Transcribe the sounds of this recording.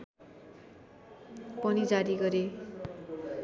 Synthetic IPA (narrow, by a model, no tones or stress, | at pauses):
pʌnid͡zaɾiɡʌɾe